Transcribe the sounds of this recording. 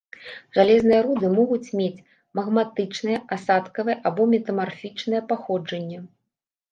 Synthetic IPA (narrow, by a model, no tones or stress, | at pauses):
ʐalʲɛznɨjɐɾud̪ɨmɔɣut͡sʲmʲet͡sʲ | mɐɣmat̪ɨt͡ʂnɨjɐʔasat̪kɐvɨjɛʔabɔmʲɛt̪ɐmarfʲit͡ʂnɨjɛpaxɔd͡ʐɐnʲːɛ